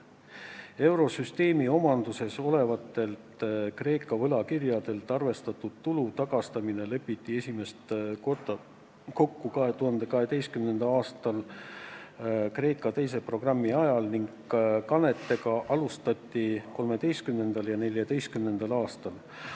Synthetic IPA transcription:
e̞wɾo̞syst̪e̞ːmio̞mɑnd̪̥use̞so̞le̞vɑt̪ːˑe̞lt̪kre̞ːkːˑɑvɤlɑkirjɑd̪e̞lt̪ːˑɑrve̞st̪ɑt̪ːud̪̥̚t̪ulut̪ɑɡ̥ɑst̪ɑmine̞lɤ̞pːit̪ʲˑːie̞sʲime̞st̪ot̪ɑ | ko̞kːukɑɦe̞t̪uhɑnd̪̥e̞kɑɦe̞d̪e̞jst̪kymne̞nd̪̥ɑɑːst̪ɑl | kre̞ːkːˑɑt̪e̞jse̞pro̞ɡ̥rɑmːiɑjɑlniŋɡ | kɑne̞t̪ːe̞ɡɑʔɑlust̪ɑt̪ʲːˑiko̞lme̞d̪e̞jst̪̚kymne̞nd̪̥ɑljɑne̞ljɑd̪e̞jst̪kymne̞nd̪̥ɑlɑːst̪ɑl

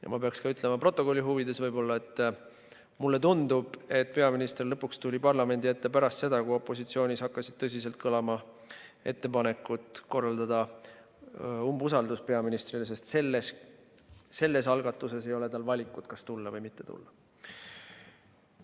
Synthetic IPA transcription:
jɑ̰mɑpe̞ɑkskɑyt̪ːˑlemɑpro̞t̪ːˑo̞ko̞lʲːiɦuvid̪̥e̞svɤjbo̞lːɑe̞t̪ːˑ | mulːe̞t̪und̪ub̥e̞t̪̚ːˑpe̞ɑminist̪erlɤpːˑukst̪ulʲipɑrlɑme̞nd̪iet̪ːepæɾɑst̪se̞d̪ɑkuo̞pːˑo̞sit̪sio̞ːnʲishɑkːɑsid̪̥̚t̪ɤs̬ʲiselt̪̚kʰɤlɑmɑ | e̞̰t̪ːe̞pɑne̞kːˑut̪ˑko̞rːɑld̪ɑd̪̥ɑ | umbusɑld̪uspe̞ɑminist̪rilese̞st̪se̞lːes | se̞lːe̞sɑlɡ̥ɑt̪ːˑuse̞se̞jo̞le̞t̪ɑlvɑlʲikːˑut̪kɑst̪ulːɑvɤjmit̪ːe̞t̪ṵlːɑ

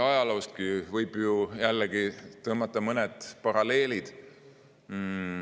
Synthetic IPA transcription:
ɑjɑlowst̪kivɤjb̥jujælːeɡit̪ɤːmɑt̪ːˑɑmɤned̪̥pɑɾɑle̞ːlid̪̥

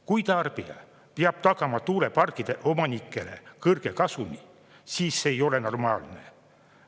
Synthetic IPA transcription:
kujt̪ɑrb̥ijɑ̰ | peɑb̥̚t̪ɑkɑmɑt̪uːɾe̞pɑrkˑid̪̥e̞ʔo̞mɑnikˑːe̞le̞̰kɤrɡ̥e̞kɑsunʲi | siːsːeːjo̞le̞no̞rmɑːlne̞̰

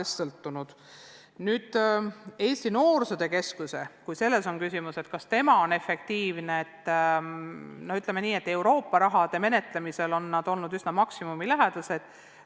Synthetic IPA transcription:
esɤlt̪ːˑunud̪̥ | nyːd̪̥e̞ːst̪ino̞ːrsud̪̥e̞ke̞skuse̞kujse̞lːe̞so̞nkysimuse̞t̪kɑst̪e̞mɑo̞ne̞fe̞k̚t̪iːvne̞et̪ː | noyt̪ːˑlemeniːe̞t̪ːe̞wɾo̞ːpːɑɾɑɦɑd̪̥e̞me̞ne̞t̪ˑlemise̞lo̞nːɑd̪̥o̞lnud̪ysnɑmɑksimumilæɦed̪̥ɑse̞d̪̥

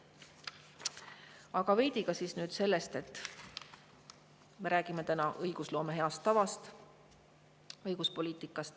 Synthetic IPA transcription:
ɑɡ̥ɑve̞jd̪̥iɡ̥ɑsiːsnyːd̪̥se̞lːe̞st̪e̞t̪ːˑ | me̞ɾæːɡ̥ime̞t̪ænɑʔɤjɡ̥uslo̞ːme̞ɦe̞ɑst̪ːɑvɑst̪ | ɤjɡ̥uspo̞lʲiːt̪ˑikːˑɑst̪

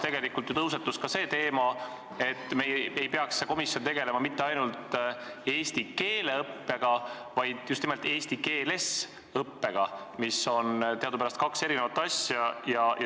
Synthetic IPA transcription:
t̪e̞ɡe̞likːˑult̪jut̪ɤws̬et̪ːuskɑse̞ːt̪e̞ːmɑ | e̞t̪ːmeje̞jpe̞ɑksːeko̞misjo̞nt̪e̞ɡ̥e̞le̞mɑmit̪ːeɑjnult̪ | e̞ːst̪ike̞ːleɤpːeɡ̥ɑ | vɑjd̪̥just̪nimelt̪ːe̞ːst̪ike̞ːle̞s | ɤpːe̞ɡ̥ɑ | miso̞nt̪e̞ɑd̪upæɾɑst̪̚kɑkse̞ɾinevɑt̪ːˑɑsjɑjɑj

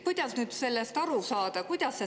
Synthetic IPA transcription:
kujd̪̥ɑsnyːd̪se̞lːe̞st̪ɑɾusɑːd̪̥ɑkujd̪̥ɑsːe

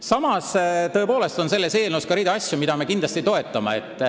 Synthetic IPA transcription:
sɑmɑst̪ɤ̞e̞po̞ːle̞st̪o̞nse̞lːe̞se̞ːlnuskɑɾiːd̪eɑsʲjumid̪ɑme̞kind̪lɑst̪it̪o̞e̞t̪ːˑɑmeet̪ːˑ

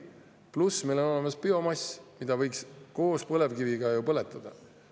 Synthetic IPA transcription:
plusmejlo̞no̞lemɑspio̞mɑsʲmid̪̥ɑvɤjksko̞ːspɤle̞vkiviɡ̥ɑjupɤle̞t̪ːˑɑd̪̥ɑ̰

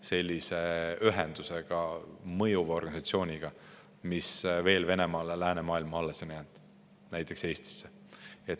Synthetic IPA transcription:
se̞lʲːiseyɦend̪̥useɡ̥ɑmɤjuveo̞rɡɑnisɑt̪sio̞ːnʲiɡ̥ɑ | misve̞ːlve̞ne̞mɑːlelæːnemɑːilmɑɑlːeso̞njænd̪̥ | næjt̪ːˑe̞kse̞ːst̪i̥sːe | et̪ː

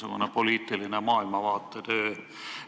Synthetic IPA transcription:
ekonepoliːt̪ːˑilinemɑːilmɑʋɑːt̪ːet̪øː

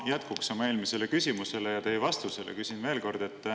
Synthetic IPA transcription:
jæt̪kuksɑmɑe̞ːlmise̞le̞kysʲimuse̞lejɑt̪e̞jvɑst̪uselḛkysʲinve̞ːlko̞rd̪̥e̞t̪ː

